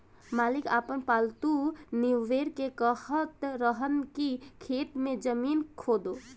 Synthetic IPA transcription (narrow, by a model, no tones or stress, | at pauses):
maːlɪkaːpənpaːlt̪uniʋeːɾkekəhət̪ɾəɦənkikʰeːt̪mẽd͡ʒəmiːnkʰoːd̪oː